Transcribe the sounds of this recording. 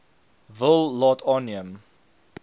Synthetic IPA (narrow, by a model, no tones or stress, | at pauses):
vɪlˠːɔtʰɔniəm